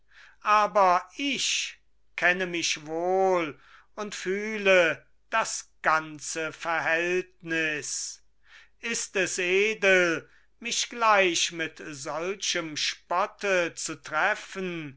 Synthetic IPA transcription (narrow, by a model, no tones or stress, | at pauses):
ʔaːbɐɪç | kʰɛnəmɪʃvoːl | ʊntfyːlə | d̥asɡ̥ant͡səfɛɐhɦɛltnɪs | ʔɪstɛseːdəl | mɪʃɡ̥laɪɕmɪtzɔlt͡ʃəmʃpɔtʰət͡sutʁɛfən